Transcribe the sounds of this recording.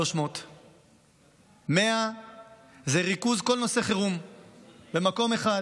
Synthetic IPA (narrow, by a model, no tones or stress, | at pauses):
oʃmo̞t̪ | me̞a | zeʁikuzko̞lno̞se̞χeʁum | be̞mako̞me̞χa